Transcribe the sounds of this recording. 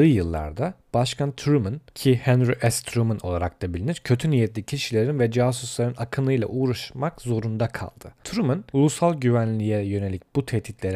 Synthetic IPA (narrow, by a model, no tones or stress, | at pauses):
ɯjjɯlˠːa̰ɾd̪ab̥aʃkʰant̪ʰɾumɯncʰihɛnɾiʔɛst̪ʰɾumɯno̞lˠaɾak̚t̪ʰabilʲiniɾcʰø̞t̪ʰynijɛt̪lʲicʰiʃilʲe̞ɾinvɛd͡ʒaːsuslˠaɾɯnakʰɯnɯjlˠa̰ʔuːɾaʃmakzo̞ɾund̪akʰa̰lˠd̪̥ɯt̪ʰuɾumɯnulˠusalˠɟyvænlʲijɛjø̞ne̞lʲic̚b̥ut̪ʰɛht̪ʰit̪lʲe̞ɾ